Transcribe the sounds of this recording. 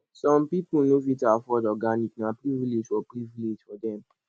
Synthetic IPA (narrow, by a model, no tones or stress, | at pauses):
sɔ̃mpipunofĩtafɔdɔɡaniknapɾiviled͡ʒfɔpɹiviled͡ʒfɔdɛ̃m